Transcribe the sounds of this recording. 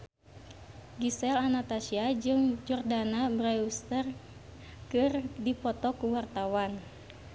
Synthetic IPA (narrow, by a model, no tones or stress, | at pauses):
ɡisɛlanat̪asiad͡ʒɨŋd͡ʒɔrdanabɾaust̪ər | kɨrdipɔt̪ɔkuwart̪awan